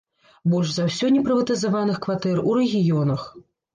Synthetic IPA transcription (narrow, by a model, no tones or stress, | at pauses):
bɔʐzawsʲɔnʲɛpɾɨvɐt̪ɨzavanɨxkvat̪ɛruɾɛɣʲijɔnɐx